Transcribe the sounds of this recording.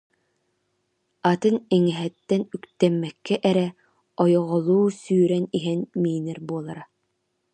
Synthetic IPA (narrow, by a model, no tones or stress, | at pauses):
at̪ɯnɛŋɛɦɛt̪ːɛnykt̪ɛmːɛkːɛʔɛɾɛ | ɔjɔʁɔlˠuːsyːɾɛniɦɛnmiːnɛɾbuɔlˠaɾa